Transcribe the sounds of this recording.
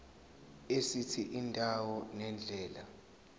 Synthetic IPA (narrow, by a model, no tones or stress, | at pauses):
esitʰiʔindʱʼawɔnɛnd͡ɮʱɛːla